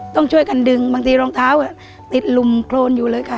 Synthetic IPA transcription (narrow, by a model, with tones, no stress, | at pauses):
t̪ɔ˥˩ŋt͡ɕʰu˥˩əjka˧ndɯ˨˧ŋbaː˧ŋt̪ʰiː˧ɾɔː˧ŋt̪ʰaː˦˥wʔaː˨˩ | t̪i˨˩t̪̚lu˨˩mkʰloː˧njuː˨˩lɤː˧jka˧˩